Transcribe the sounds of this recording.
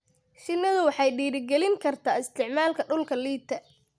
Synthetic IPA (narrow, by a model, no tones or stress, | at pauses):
ʃɪnːɐðʊwɑħɑjɖiːɾɪɡɛlɪŋkʰɐrt̪ʰaːɪst̪ʰɪʕmaːlkʰɐɖʊlkʰɐliːt̪ʰɐ